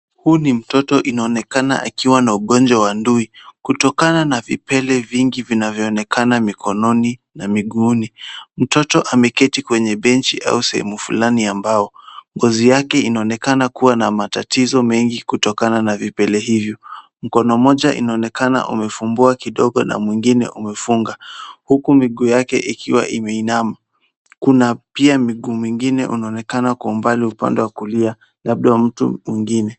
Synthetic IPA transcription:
hunim̩tɔtɔʔinaɔnɛkana̰ʔa̰kiwanauɠɔnd͡ʒwawanduikutɔkananavipɛlɛviŋɡivinavjɔːnɛkʰanamikʰɔnɔninamiɠuːnim̩tɔtɔʔamɛkɛtikwɛɲɛɓɛnt͡ʃiʔa̰usɛhɛ̰mufulaniambaɔŋɡɔzijakɛinaɔnɛkanakuwanamatatizɔmɛŋɡikutɔkananavipɛlɛhivjɔ | m̩kɔnɔmɔʄaʔḭnaɔnɛkana̰ʔṵmɛfumbuakiɗɔɠɔna̰mwiŋɡinɛ̰ʔumɛfuŋɡahukumiɠuːjakɛ̰ʔikʰiwa̰ʔimɛinama | kunapiamiɠuːmwiŋɡinɛʔṵnaɔnɛkanakuːmbaliupa̰ndɛwakulia | laɓ̚ɗawam̩tṵmwiŋɡinɛ

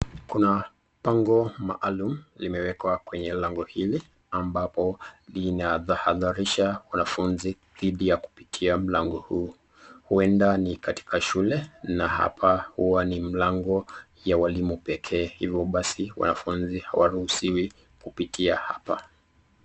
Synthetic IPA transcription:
kuna | paŋɡɔma̰ʔalum̩limɛwɛkwakwɛɲɛlaŋɡɔhili | ambapɔlinaðahaðaɾiʃawanafunzi | ðiɗijaku̥pi̥tʰiam̩laŋɡɔhuː | huɛndanikati̥kʰaʃulɛnaha̰pʰahuwanim̩laŋɡɔ | jawalimupɛkʰɛːhivjɔɓasiwa̰na̰funziha̰waɾuhusiwi | kupitʰiaha̰pa

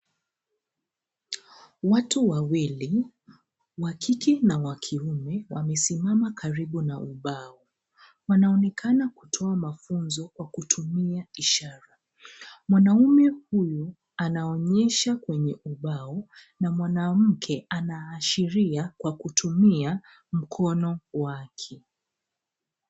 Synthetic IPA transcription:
watuwawili | wakʰikinawakʰiumɛwamɛsimamakaɾiɓunauɓaɔ | wanaɔnɛkʰanakutʰɔamafunzɔkwakutʰumiaiʃaɾa | mwanaumɛhuju | anaɔɲɛʃakwɛɲɛʔuɓaɔ | namwanam̩kʰɛanaːʃiɾiakwakutʰumia | m̩kʰɔnɔwakʰi

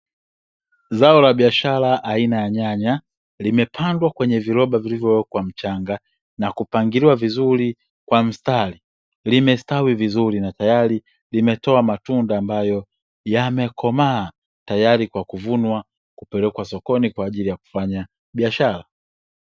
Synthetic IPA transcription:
zaɔlaɓiaʃalaʔːinajaɲaɲa | limɛpʰandwakwɛɲɛviɾɔɓavilivjɔwɛkwam̩t͡ʃaŋɡa | nakupaŋɡiliwavizuli | kwam̩stali | limɛstawivizuɾinatajaɾi | limɛtɔamatundaːmbajɔ | jamɛkʰɔmaː | tajaɾikwakuvunwa | kupɛlɛkwasɔkɔnikwaːʄilijaku̥faɲa | ɓiaʃala

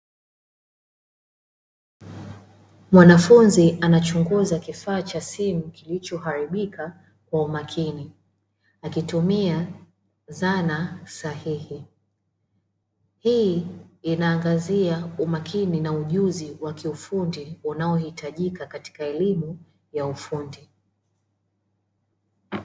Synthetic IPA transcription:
mwanafunziʔanat͡ʃuŋɡuzakifaːt͡ʃasimukilit͡ʃɔɦaɾiɓika | kwaumakʰini | akitumia | zanasahihi | hiː | naːŋɡaziaumakʰininauʄuziwakiufundiunaɔhitaʄikakati̥kaɛlimu | jaufundi

